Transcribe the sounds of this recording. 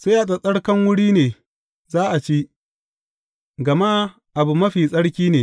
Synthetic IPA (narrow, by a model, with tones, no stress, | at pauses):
se˦ʔa˨sʼɐ˨sʼɐ˦ɽkɐ˦ŋwʊ˦ɽiː˦neː˨ | zaː˦ʔa˨t͡ʃi˦ʔ | ɡɐ˨ma˦ | ʔa˨bu˨mɐ˦ɸiː˨sʼɐ˦ɽkʲiː˦neː˨